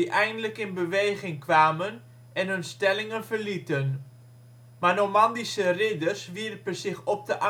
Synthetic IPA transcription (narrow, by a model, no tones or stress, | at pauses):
iʔɛjndələkɪnbəʋejχɪŋkʋaːmən | ɛnɦɵnstɛlɪŋənvərlitən | manomɑndisərɪdərsʋirpəzɪχɔp̚dəʔa